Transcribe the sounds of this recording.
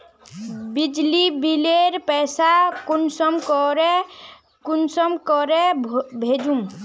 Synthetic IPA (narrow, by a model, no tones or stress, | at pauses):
bid͡ʒlibileɾpɛjsakunsəmkɔɾe | kunsəmkɔɾebʱed͡ʒum